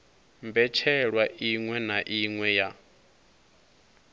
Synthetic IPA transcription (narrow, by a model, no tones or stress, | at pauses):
mbɛt͡ʃʰɛɺwaʔiŋwɛnaʔiŋwɛja